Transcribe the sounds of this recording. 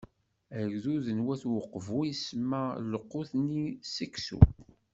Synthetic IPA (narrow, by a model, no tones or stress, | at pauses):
æʝðuðənwæθwəqːvujismæləqːʊθnisəksṵ